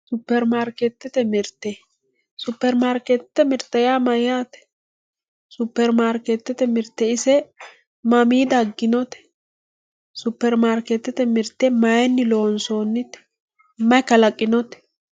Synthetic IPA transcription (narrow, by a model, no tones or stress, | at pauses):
sʊpːɛɾmaːɾkɛt̪ːɛt̪ɛmɪɾt̪ːɛ | sʊpːɛɾmaːɾkɛt̪ːɛmɪɾt̪ːɐjaːmɐjaːt̪ɛ̥ | sʊpːɛɾmaːɾket̪ːɛt̪ɛmɪɾt̪ːɛɪsɛ | mɐmiːd̪ɐɡːɪnɔt̪ɛ̥ | sʊpːɛɾmaːɾkɛt̪ːɛt̪ɛmɪɾt̪ːɛmɐjɛnːɪlo̞ːnso̞ːnːɪt̪ɛ̥ | mɐkɐlɐkʼːɪnɔt̪ɛ̥